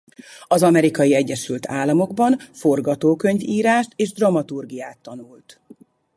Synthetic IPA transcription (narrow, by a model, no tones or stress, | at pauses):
ɒzɒmɛɾikɒjiɛɟːɛʃylt̪ʰaːlːɒmo̞ɡbɒnfo̞rɡɒt̪oːkø̞ɲviːɾaːʃt̪eːʒd̪rɒmɒt̪urɡijaːt̪ːɒnult̪